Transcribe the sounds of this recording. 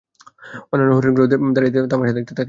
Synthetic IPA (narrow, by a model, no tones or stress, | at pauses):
onːanːoɦuɾiɾɡɾod̪ed̪aɾit̪̬et̪amaɾʃad̪ek̚t̪et̪ʰake